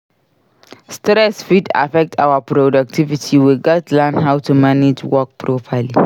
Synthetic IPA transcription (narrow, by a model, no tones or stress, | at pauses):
stɾɛsfida̰fɛk̚tʰa̰wapɹodak̚tʰivitʰiwiɡatlãnɦawtumanid͡ʒwɔk̚pʰɹopʰəli